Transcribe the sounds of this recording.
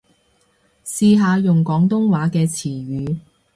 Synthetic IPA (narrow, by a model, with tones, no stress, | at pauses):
siː˧ɦaː˨˧jʊ˨ŋkɔː˨˥ŋt̪ʊ˥ŋwaː˨˥kɛː˧t͡sʰiː˨˩ɥyː˨˧